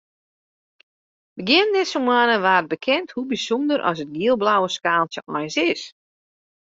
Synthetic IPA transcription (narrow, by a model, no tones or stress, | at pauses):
bəɡjɪəndɛsomwanəʋaːrt̚bəkʰɛnthubisondəɾʔɔ̰sət̚ɡiəlˠblawəskaːlˠsəmajsɪs